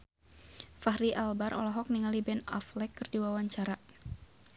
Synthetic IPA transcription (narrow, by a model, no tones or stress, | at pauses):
fahɾiʔalbarʔɔ̰laɦɔk̚niŋalibɛna̰flɛkːɨrdiwawaɲt͡ʃaɾa